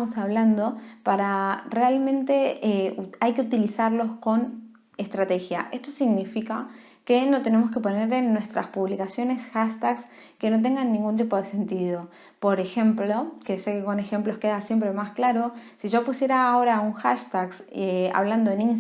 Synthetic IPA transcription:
amosaβland̪o̞paɾarealmẽ̞nt̪e̞euajke̞ut̪ilisaɾlo̞sko̞n | e̞st̪ɾat̪e̞xjaʔe̞st̪o̞siɣnifika | kenot̪e̞ne̞mo̞ske̞po̞ne̞ɾe̞nːwe̞st̪ɾa̰spuβlikasjo̞ne̞sxaʃt̪aks | ke̞no̞t̪̬e̞ŋɡanːĩŋɡunt̪̬ipo̞ðe̞se̞nt̪ið̞o̞ | po̞ɾe̞xe̞mplo̞kesekeko̞ne̞xe̞mplo̞ske̞ðasje̞mpɾe̞masklaɾo̞siʒo̞pusje̞ɾaːo̞ɾauŋxaʃt̪aksea̰βland̪o̞enin

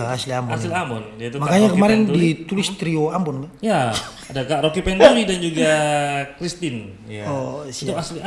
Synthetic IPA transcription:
asliambɔanɪlamɔndiat̪umakaɲakəmaɾɪndit̪ulɪst̪ɾioambɔnmɛja | adakaɾokipɛnt̪uɾidand͡ʒuɡakɾist̪ɪn | jaɔsaslia

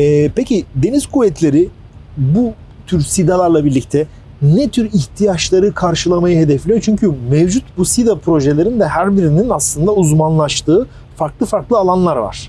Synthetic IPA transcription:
ɛpecid̪e̞nizkʰuvɛt̪ʰlʲe̞ɾi | bu | t̪ʰyɾsid̪alˠaɾlˠabiɾlʲic̚t̪ʰɛ | nɛt̪ʰyɾiçt̪ʰijaʃlˠaɾɯkʰaɾʃɯlˠamajɯhe̞d̪ɛflʲejot͡ʃʰyɲcʰymɛvd͡ʒut̪busid̪apʰɾo̞ʒelʲe̞ɾind̪ɛhæɾbiɾininaslˠɯnd̪auzmanlˠaʃt̪ʰɯː | faɾklˠɯfaɾklˠɯalˠanlˠaɾva̰ɾ̥

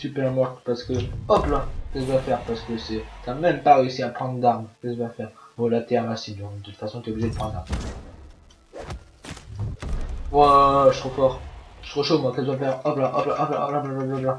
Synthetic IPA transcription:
sypɛʁmɔʁt̪paʁsə̥kəɔplakɛsd̪wafɛʁpaʁsə̥kəsɛt̪amɛmpaʁeøsiapχɑ̃d̪ʁəd̪aʁmkət̪vwafɛʁɔ̃lat̪ɛaʁasind̪ɔ̃kt̪ut̪fasɔ̃t̪yeoubliʒed̪əpχɑ̃d̪d̪aʁm | waʒt̪χofɔʁʒ̥t̪χoʃomwakɛt̪d̪wafɛʁɔplaʔɔplaʔɔpla̰ʔɔplaplabablapla

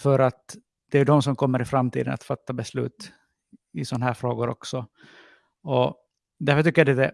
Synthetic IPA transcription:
fœɾat̪ | d̪ɛæɵɖ̪ɔmsɔmkʰɔmːəɾɪfɾamt̪ʰḭːd̪ə̰na̰t̪fat̪ːabɛslʉ̟̰ːt̪ | ɪsɔnːaɦæːɾfɾoːɡʊɾɔ̰ksɔ | ɔ | d̪æɾfœt̪ʏkːəjad̪ɛd̪ɛ

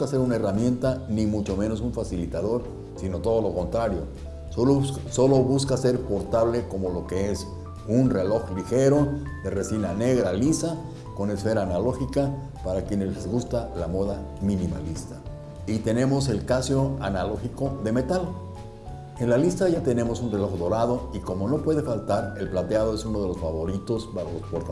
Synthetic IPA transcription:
kaseɾunae̞ramje̞nt̪animut͡ʃo̞meno̞suɱfasilit̪að̞o̞ɾ | sino̞t̪o̞ð̞o̞lo̞ko̞nt̪ɾaɾjo̞ | so̞lo̞βuskase̞ɾpo̞ɾt̪aβle̞ko̞mo̞lo̞ke̞es | unre̞lo̞xlixe̞ɾo̞ðeresinane̞ɣɾalisa | ko̞ne̞sfe̞ɾaːnalo̞xika | paɾakje̞nezlezɣust̪alamo̞ðamĩnima̰list̪a | it̪e̞ne̞mo̞se̞lkasjo̞analo̞xiko̞ðe̞me̞t̪al | e̞nlalist̪aʝat̪e̞ne̞mo̞sunre̞lo̞xðo̞ɾað̞o̞iko̞mo̞no̞pwe̞ðe̞falt̪aɾe̞lplat̪eað̞o̞e̞suno̞ð̞e̞lo̞sfaβo̞ɾit̪o̞spaxolospoɾt̪a

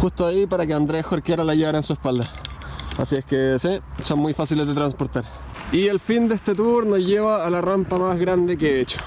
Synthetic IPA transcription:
xust̪oaipaɾakeand̪ɾexoɾkeɾalaʝeβaɾaensuespald̪aa̰sieskesisonmːujfasilezðet̪ɾanspo̞ɾt̪aɾ | ie̞lfind̪eest̪et̪uɾnosʝe̞βaːlarampamazɣɾand̪e̞k̬eet͡ʃo̥

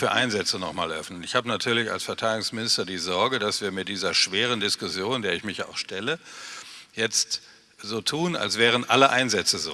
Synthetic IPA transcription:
fyːɐʔa̰ɪnzɛt͡sənɔχmaːlʔœfnənɪçhaːbənatʰyːɐlɪça̰lsfɛɐtʰaɪdɪɡʊŋsmɪnɪstɐdiːzɔɐɡəd̥asv̥iːɐmɪt̚d̥iːzɐʃv̥eːʁ̞əndɪskʊsjoːndeːɐɪçmɪça̰ʊxʃtɛlə | jɛt͡st | z̥oːtʰuːna̰lsv̥ɛːʁ̞ənʔaləʔaɪnzɛt͡səzo̰ː

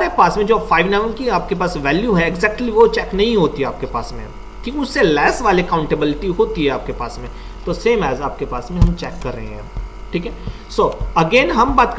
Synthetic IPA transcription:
ɾepaːsmẽd͡ʒoːfaːɪʋnɛːʋənkiaːp̚kepaːsʋɛːljuɦɛɪɡzɛːk̚ʈliʋot͡ʃɛːknɐɦĩɦoːt̪iɦɛaːp̚kepaːsmḛ̃ | kʰiːkʊsːelɛːsʋaːlekãːʊ̃ɳʈəbɪlɪʈiɦoːt̪iɦɛaːp̚kepaːsmẽ | t̪oːseːmɛːzaːp̚kepaːsmẽɦɐmt͡ʃɛːkːɐɾːɐ̰ɦḛ̃ɦɛ̃ː | ʈʰiːkɦɛ | soːɐɡeːnɦɐmbaːt̪̚k

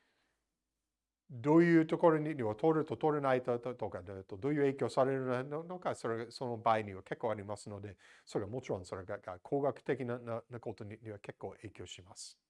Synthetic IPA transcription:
d̪o̞ːjɯ̟ːt̪o̞ko̞ɾo̞ɲʲiɲʲiβat̪ʰoɾɯt̪o̞t̪oɾenait̪ot̪okat̪od̪o̞ːjɯ̟ːe̞ːkʲo̞ːsaɾe̞ɾɯnanono̞kaso̞ɾeɡaso̞no̞baːiɲ̟iβake̞kːo̞ːaɾʲimasɨnod̪e̞so̞ɾe̞ɡamo̞t͡ɕiɾõso̞ɾe̞ɡaɡakʰo̞ːɡakɯ̟̥t̪e̞k̬ʲinananako̞t̪o̞ɲʲiɲʲiβake̞kːo̞ːʔe̞ːkʲo̞ːɕimasɨ̥

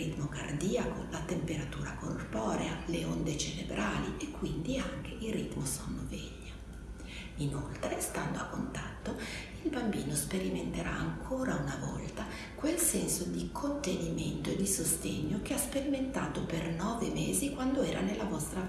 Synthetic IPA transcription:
it̪moka̰rd̪iːakolat̪empeɾat̪uːɾakorpɔːɾealeond̪et͡ʃeɾebɾʔaːliekːwind̪iaŋk̟eilrːit̪mosɔnːovɛ̰ʎːa | inolt̪ɾest̪and̪oakːont̪at̪ːoilbambiːnospeɾiment̪eɾaːŋkʰoːɾaunavɔ̰lt̪a | kwelsɛnsod̪ikʰont̪eniment̪oed̪isost̪eɲːokeaspeɾiment̪aːt̪opernɔːvemeːzikwand̪oɛːɾa̰nelːavɔst̪ɾa

